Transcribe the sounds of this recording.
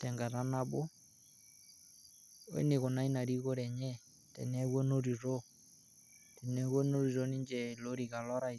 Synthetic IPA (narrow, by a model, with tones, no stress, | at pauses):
tɛ˨ŋɡa˨ta˦na˦bʊ˦ | wɛ̰˦nɪ˨kɔ˨na˦i˦na˨ɾi˦ko˦ɾɛ˨ɲɛ˦ | tɛ̰˨nɛ˦kwɔ˦no˦ɾi˨ɾo˦ | tɛ˨nɛ˦kwɔ˦no˦ɾi˨ɾo˦ni˦ɲd͡ʒɛ˨lo˦ɾi˨ka˨lɔ˦ɾa˦˨